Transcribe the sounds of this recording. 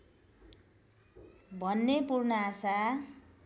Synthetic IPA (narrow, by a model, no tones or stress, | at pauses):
bʱʌnːepurnʌasa